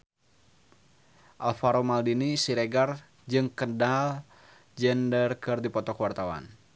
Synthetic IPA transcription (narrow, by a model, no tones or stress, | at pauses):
ʔalfaɾomaldinisiɾɛɡar | d͡ʒɨŋkədal | d͡ʒɛndərkɨrdipɔt̪ɔkwart̪awa̰n